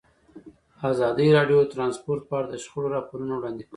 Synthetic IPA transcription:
azɑd̪əɾɑɖjot̪ɾɑnspoɾt̪̚pəɑɽad̪əʃxəɽoɾɑpoɾunowɽɑnd̪ik

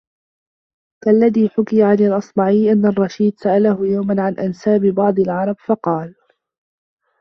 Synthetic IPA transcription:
kalːaðiːħʊkɪjaʕanɪlʔɑsˤmɑʕiːʔanːarˤːɑʃiːd̪saʔalahʊjawmanʕanʔansaːbɪbɑʕd̪ˤɑlʕɑɾˤɑbfɑqɑːl

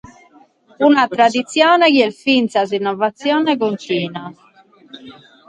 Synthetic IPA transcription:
unat̪ɾad̪it̪sːjɔːnɛkiɛlfint̪sazinːɔvat̪sːjɔːnɛkont̪iːna

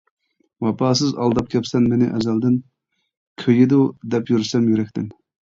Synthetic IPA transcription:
wɑpʰɑːsɨzɑ̰lˠd̪ɑp̚kʲʰɛpsɛnmenɪʔɛzɛld̪ɪn | kʲʰøjid̪ud̪ɛpjyɾsɛmjyɾɛkʲt̪ɪn

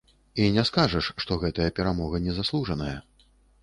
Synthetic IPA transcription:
inʲɛskaʐɐʂʂt̪ɔɣɛt̪ɐjɐpʲɛɾamɔɣɐnʲɛzaslˠuʐɐnɐjɐ

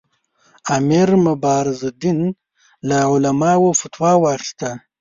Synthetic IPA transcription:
amiɾmʊbɑːɾɪzad̪in | laʕʊlamɑːwofat̪wɑːwɑːxi̥st̪a

